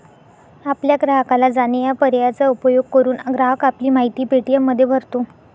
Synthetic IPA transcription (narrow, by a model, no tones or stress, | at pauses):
apljaɡɾaɦəkalad͡zanejapəɾjat͡saupəjoɡ̚kəɾuːnɡɾaɦəkapliːmaɦit̪iːpeʈijemːəd̪ʱːjebʱəɾt̪o